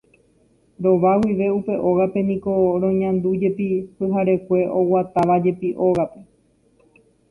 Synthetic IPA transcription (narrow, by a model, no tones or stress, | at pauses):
ɾo̞ʋawiʋe̞upe̞ʔo̞ɣape̞nĩko̞ɾ̃õ̞ɲãnd̪ud͡ʒe̞pipɨɦaɾe̞kʷe̞ʔo̞wat̪aʋad͡ʒe̞piʔo̞ɣape̞